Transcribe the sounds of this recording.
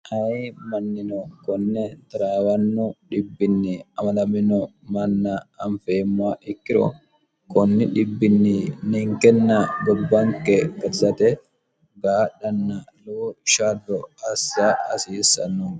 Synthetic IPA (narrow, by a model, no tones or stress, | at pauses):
ʔɐmɐnːɪnɔkɔnːɛt̪ɐɾaːwɐnːʊᶑɪbːɪnːɪɐmɐnɐmɪnɔmɐnːɐːɱfeːmːʊaʔɪkːɪɾɔ̰ | kɔnːɪᶑɪbːɪnːɪnɪŋkɛnːɐɡɔbːɐŋkɛkɐt̪ɪsɐt̪ɛ | ɡaːɗɐnːɐluʃad̪ɔɐsːaɐsiːsːɐ̰nːɔ